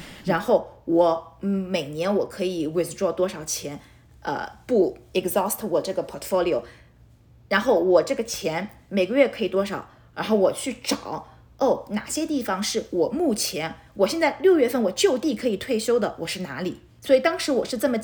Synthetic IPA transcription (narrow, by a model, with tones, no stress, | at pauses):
ɻa˧˥nxo˥˩ʊwɔ˧˥me˨˩ɪnjɛ˧˥nwɔ˨˩kʰɤ˧˥i˨˩wɪ˧˩t͡s̩˥ʈ͡ʂwɔ˥˩t̪wɔ˥ʂɑ˨˩ʊt͡ɕʰjɛ˧˥n | ə̰˧pu˥˩ɛ˨˩kzɔ˥˩st̪ʰwɔ˨˩ʈ͡ʂɤ˥˩ɡə˩pʰɔ˨˩tʰfo˥ʊli˨o˨˩ʊ | ɻa˧˥nxo˥˩ʊwɔ˨˩ʈ͡ʂɤ˥˩ɡə˩t͡ɕʰjɛ˧˥n | me˨˩ɪɡə˧ɥɛ˥˩kʰɤ˧˥i˨˩t̪wɔ˥ʂɑ˨˩˦ʊ | ɻa˧˥nxo˥˩ʊwɔ˨˩t͡ɕʰy˥˩ʈ͡ʂɑ˨˩˦ʊ | o˥˩na˨˩ɕjɛ˥t̪i˥˩fɑ˩ŋʂɻ̩˥˩wɔ˨˩mu˥˩t͡ɕʰjɛ˧˥n | wɔ˨˩ɕjɛ˥˧nt͡sa˥˧ɪljo˥˧ʊɥɛ˥˧fə˥˩nwɔ˨˩t͡ɕjo˥˧ʊt̪i˥˩kʰɤ˧˥i˨˩t̪ʰwe˥˩ɪɕjo˥ʊd̪ə˨wʔɔ˨˩ʂɻ̩˥˩na˧˥li˨˩˦ | swɔ˧˥i˨˩t̪ɑ˥ŋʂɻ̩˧˥wɔ˨˩ʂɻ̩˥˧t͡sɤ˥˩mə˩